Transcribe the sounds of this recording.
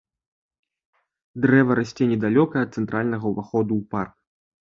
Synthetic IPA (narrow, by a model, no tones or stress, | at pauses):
d̪ɾɛvɐɾasʲt͡sʲɛnʲɛd̪alʲɔkɐɛɐt̪̚sɛnt̪ɾʔalʲnɐɣɐwvaxɔd̪uːpark̚